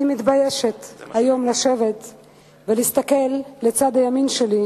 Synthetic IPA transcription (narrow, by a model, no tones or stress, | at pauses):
nimit̪bajeʃet̪hajo̞mlaʃevet̪ | velist̪ake̞lːet͡sad̪ajaminʃeli